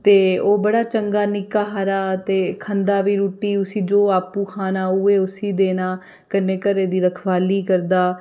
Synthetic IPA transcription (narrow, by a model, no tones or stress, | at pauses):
t̪eːoːbəɽaːt͡ʃəŋɡaːnɪkaːɦaɾaːt̪eːkʰənd̪aːʋiːɾuːʈiːʊsĩːd͡ʒoːaːpũːkʰaːnaːʊeːʊsiːd̪eːnaː | kənːeːkəɾeːd̪iːɾəkʰʋaːliːkəɾd̪aː